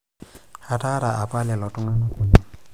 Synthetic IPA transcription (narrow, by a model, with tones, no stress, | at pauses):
ha˨ta˦ɾa˨ʔa˨pa˦lɛ˨lɔ˨tʊ˦ŋa˦no˦ku˨ɲa˨